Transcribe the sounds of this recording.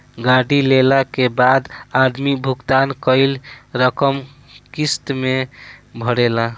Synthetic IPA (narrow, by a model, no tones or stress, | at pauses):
ɡaɽilelakebad̪ad̪mibʱukt̪ankəɪlɾəkəm | kist̪mebʱəɽela